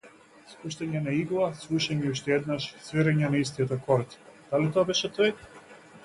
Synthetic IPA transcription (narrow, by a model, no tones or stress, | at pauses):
spuʃt̪ɛɲɛnaiɡlˠasvuʃɛɲɛuʃt̪ɛɛd̪naʃsviɾɛɲɛnaist̪iɔt̪ɔkɔɾt̪d̪̥alit̪ɔabɛʃɛt̪ɔj